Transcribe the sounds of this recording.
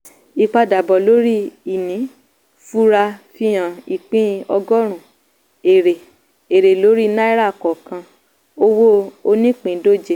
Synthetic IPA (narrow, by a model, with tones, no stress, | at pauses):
i˧k͡pa˧da˨bɔ˨lo˨˦ɾi˦i˨nĩ˨˦ | fu˦ɾa˧fi˧j̃ã˨i˨k͡pĩ˦ɔ˧ɡɔ˦ɾ̃ũ˦˨ | e˨ɾe˨ | e˨ɾe˨lo˨˦ɾi˦na˦i˦ɾa˦˨kɔ˨kã˧ | o˦wo˦o˧nĩ˦k͡pĩ˨˦do˦˨d͡ʒe˦˨